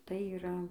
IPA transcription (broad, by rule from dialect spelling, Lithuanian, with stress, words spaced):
tɐɪ iːˈrɐ